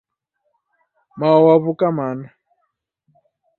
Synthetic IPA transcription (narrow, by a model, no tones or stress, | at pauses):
maɔwaβukamana